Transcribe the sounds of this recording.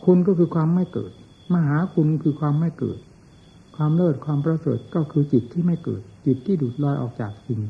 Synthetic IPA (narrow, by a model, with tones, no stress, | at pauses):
kʰu˧nkɔː˥˩kʰɯː˧kʰwaː˧mːa˥˩jkɤ̰ː˨˩t̪̚ | ma˧ɦaː˩˦kʰu˧nkʰɯː˧kʰwaː˧mːa˥˩jkɤ̰ː˨˩t̪̚ | kʰwaː˧mlɤː˥˩t̪̚kʰwaː˧mpɾa˧sɤː˨˩t̪̚kɔː˥˩kʰɯː˧t͡ɕi˨˩t̪ʰːiː˥˩ma˥˩jkɤ̰ː˨˩t̪̚t͡ɕi˨˩t̪ʰːiː˥˩duː˨˩t̪̚lɔː˧jʔɔ̰ː˨˩k̚t͡ɕaː˨˩k̚t͡ɕi˧ŋ